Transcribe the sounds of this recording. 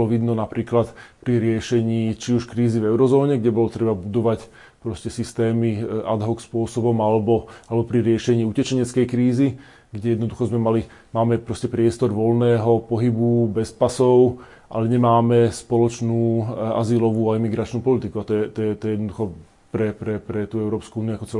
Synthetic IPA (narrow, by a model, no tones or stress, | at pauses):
lɔʋid̪nɔnapɾiːklat̪pɾiɾɪɛʃɛɲiːt͡ʃiuʃkɾiːzivɛʊɾɔzɔːɲɛɡɟɛbɔlɔt̪ɾɛbabud̪ɔʋac | pɾɔscɛsist̪ɛːmiad̪ɦɔkspʊɔsɔbɔmalɛbɔalɛbɔpɾiɾɪɛʃɛɲiːucɛt͡ʃɛɲɛt͡skɛjkɾiːzi | ɡɟɛjɛd̪nɔd̪uxɔzmɛmali | maːmɛpɾɔscɛpɾɪɛst̪ɔɾʋɔlnɛːɦɔpɔɦibubɛspasɔʊ | ʔa̰lɛɲɛmaːmɛspɔlɔt͡ʃnuːa̰zilɔʋuːaimiɡɾat͡ʃnuːpɔlit̪ikuat̪ɔjɛt̪ɔjjɛt̪ɔɛjɛd̪nd̪uxɔ | pɾɛpɾɛpɾɛt̪uːɛʊɾɔːpskuuːniuakɔt͡sɛ